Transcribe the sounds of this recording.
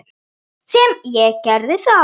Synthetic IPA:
sɛmjɛcɛɾðɪθa

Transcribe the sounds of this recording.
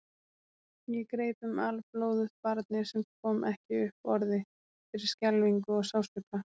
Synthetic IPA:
jɛkɾeːjt̪ʏmalploːwðʏðpaɾt̪̚nɪsɛmkʰɔːmʔɛhcɪʏhpɔɾðɪ | fɪɾɪɾ̥scɛlviŋkʏɔɣsawst̪ʏpla

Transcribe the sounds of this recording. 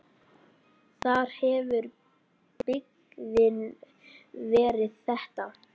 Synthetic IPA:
θaɾ̥hɛvʏɾ | pɪk | ðɪn | vɛːɾɪðθɛht̪a

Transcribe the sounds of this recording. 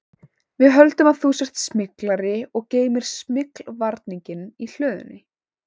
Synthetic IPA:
vɪðɦœlt̪ʏmaðθusɛht̪smɪklaɾɪɔɣceːjmɪɾ̥smɪklvaɾt̪niɲcɪnil̥œːðʏ̰nːɪ

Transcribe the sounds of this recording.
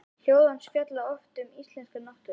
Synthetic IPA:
l̥joːwðanscœt̪laɔft̪ʏmist̪lɛnskanɔht̪ʏ

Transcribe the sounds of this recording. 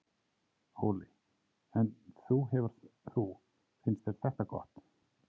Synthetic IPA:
hoːlɪ | ɛnθuɦɛvʏɾ̥θθu | fɪnst̪ɛ̥θɛht̪akɔ̰ht̪

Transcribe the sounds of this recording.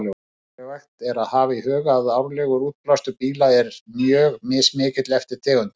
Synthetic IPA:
lɛ | ɛvajxt̪ɛɾaðhaːvaihœːɣaðaːwɾlɛːɣʏɾuːt̪̚plast̪ʏpiːlaɛɾmjœːɣmɪsmɪːcɪt̪lɛft̪ɪɾ̥t̪ʰɛːɣʏn

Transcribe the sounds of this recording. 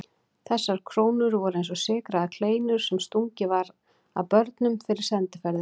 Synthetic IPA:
θɛsːaɾ̥kʰɾoːwnʏɾvɔɾejns̬ɔsɪːkɾaðakʰl̥eːjnʏɾ̥sɛmst̪uɲcɪvaɾ | a̰wpœɾt̪nʏmfɪɾɪɾ̥sɛnt̪ɪfɛɾðɪ

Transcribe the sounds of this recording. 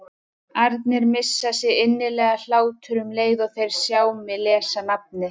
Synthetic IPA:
aɾt̪nɪɾmɪsːasjɛɪnːɪlɛːɣal̥aːwt̪ʰʏɾʏmleːjðɔɣθejɾ̥sjaːwmɪlɛːsanap̚nɪ

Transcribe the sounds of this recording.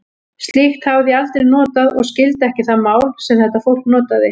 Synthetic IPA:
st̪lixt̪havðial̥t̪ɾɪnɔːt̪aðɔ̰ɣscɪlt̪ɛhcɪθaðmaːwlsɛmθɛt̪afowl̥knɔːt̪aðɪ

